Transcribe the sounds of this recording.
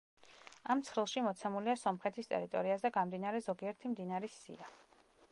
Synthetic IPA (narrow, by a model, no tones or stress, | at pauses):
amt̪sʰɾilˠʃimɔt̪sʰɛmuliasɔmχɛt̪ʰist̪ʼɛ̰ɾit̪ʼɔ̰ɾiazɛɡamd̪inaɾɛzɔɡiɛɾt̪ʰimd̪inaɾisḭa